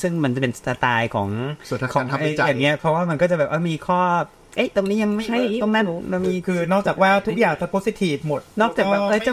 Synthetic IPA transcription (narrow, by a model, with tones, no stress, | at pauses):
sɯ˥˩ŋma˧nt͡ɕa˨˩pe˧nsa˧t̪aː˧jkʰɔː˩˦ŋsʰa˧˦kʰɔ˩˨˧nʰa˦a˧˩˦jaː˨˩ŋːi˦˥ɐpʰɔ˦˥waː˥˩ma˧nkɔː˥˩t͡ɕa˨˩bɛː˨˩ʔaː˥˩miː˧kʰɔː˥˩p̚ | ʔe˦˥˩jt̪o˧ŋniː˦˥ja˧ŋma˥˩jt͡ɕʰa˥˩j̪o˧ŋmɛ˥˩˨na˧˩miː˧kʰɯː˧nɔː˥˩k̚t͡ɕaː˨˩k̚waː˦˥˩t̪ʰu˦˥k̚jaː˨˩ŋt̪ʰa˧˩poː˦˥si˧t̪ʰiː˨˩fmo˨˩t̪̚nɔː˥˩k̚t͡ɕaː˨˩k̚waː˥˩ʔɤː˧˩t͡ɕa˨˧˩